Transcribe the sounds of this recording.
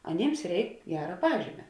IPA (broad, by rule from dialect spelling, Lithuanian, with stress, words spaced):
ɐˈnʲeːms ˈrʲɛɪk ˈɡʲæːrɐ ˈpɑːʒʲiːmʲɛ